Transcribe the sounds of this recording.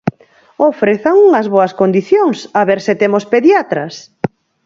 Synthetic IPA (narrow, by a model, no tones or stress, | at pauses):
ofɾeθɐŋuŋɐzβoɐskond̪iθjoŋsaβeɾsɪt̪emospeðjat̪ɾɐs